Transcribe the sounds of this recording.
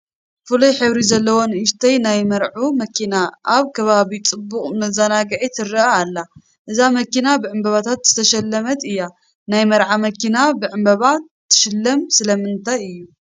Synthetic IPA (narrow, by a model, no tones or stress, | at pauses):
fɨlujħɨβɾizɐlːɐwonɨʃt̪ʰɐjnajmɐɾʕumɐkʰinaʔaβkʰɐβaβit͡sʼɨbːuχʼmɐzanaɡʕit̪ʰɨɾɐaalːa | ʔɨzamɐkinabɨʕɨmbɐβat̪ʰat̪z̥ɨt̪ʰɐʃɐlːɐmɐt̪ɨjːa | najmɐɾʕamɐkinabɨʕɨmbɐβa | t̪ʰːɨ̥ʃɨlːɐmsɨlɐmɨnt̪ʰajɨjːu